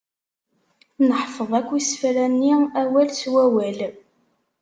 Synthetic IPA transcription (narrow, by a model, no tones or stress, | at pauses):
nəħfəðˤækʷːisfɾænːiæwælswæwæl